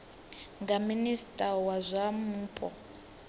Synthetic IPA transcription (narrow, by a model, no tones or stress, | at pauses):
ŋɡaministʼawazʷamuːpʼɔ̰